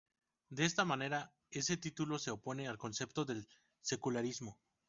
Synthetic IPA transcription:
d̪eest̪amãne̞ɾa | e̞se̞t̪it̪ulo̞se̞opo̞ne̞alko̞nse̞pt̪o̞ðe̞l | se̞kulaɾizmo̞

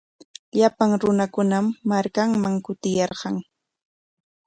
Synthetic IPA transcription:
ʎapaŋɾʊnakʊnamːaɾkaŋmaŋkʊt̪ɪjɑɾɢɑŋ

